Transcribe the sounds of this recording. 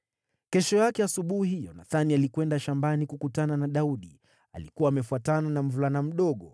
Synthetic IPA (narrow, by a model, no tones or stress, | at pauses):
kɛʃɔjakɛasuɓuhijɔnaθanialikwɛndaʃambanikukutananaɗauɗi | a̰likuwaːmɛfuatananam̩vulanam̩ɗɔɠɔ